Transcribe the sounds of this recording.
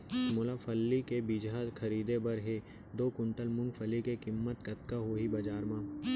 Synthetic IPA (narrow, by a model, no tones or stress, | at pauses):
moːlafʰɐlːikebid͡ʒakʰɐɾiːd̪ebɐɾɦe | d̪oːkʊɳʈəlmʊ̃ŋɡfʰəlikekɪmːət̪kɐt̪kaɦoːɦibɐd͡ʒaːɾmãː